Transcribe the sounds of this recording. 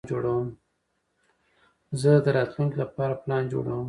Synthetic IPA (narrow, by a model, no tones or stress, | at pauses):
d͡ʒoɽawəm | zəd̪əɾɑt̪luŋklapɑɾaplɑnd͡ʒo̰ɽa̰wəm